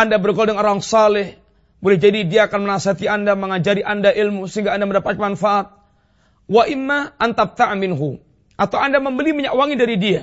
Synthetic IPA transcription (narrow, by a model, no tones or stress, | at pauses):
ʔandabərɡɔldɛŋoɾaŋsalɪh | bolɛhd͡ʒadidiaːkanmənasat̪iandaməŋad͡ʒaɾiʔandaʔilmusəɦiŋɡaaːndaməndapamanfaʔat̪̚ | waʔɪmːaʔant̪ap̚t̪aʕmɪnɦu | ʔat̪awandaməmbəliməɲaʔwaŋidaɾidia